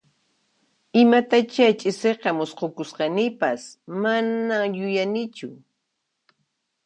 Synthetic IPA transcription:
ɪmat̪at͡ʃat͡ʃʼɪseqɑmʊsqokʊsqɑnɪpasmanajʊjanɪt͡ʃʊ

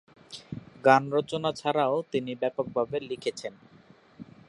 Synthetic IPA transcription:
ɡanɾot͡ɕonat͡ɕʰaɾaot̪inibɛpok̚bʱabelikʰet͡ɕʰen

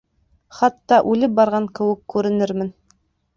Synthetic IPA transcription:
χɑt̪ːɑʔʉlɘp̚bɑɾʁɑŋkɘ̆wɘ̆kːʉɾɘ̆nɘɾmɘn

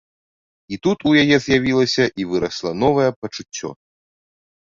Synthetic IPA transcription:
it̪ut̪ujajɛzʲjavʲilˠɐsʲɐʔivɨɾɐslˠɐn̪ɔvɐjɛpɐt͡ʂut͡sʲːɔ̰

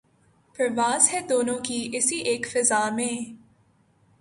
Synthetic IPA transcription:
pɾɐʋaːzɦɛd̪oːnõːkiʔɪsiʔeːkfɪzaːmẽː

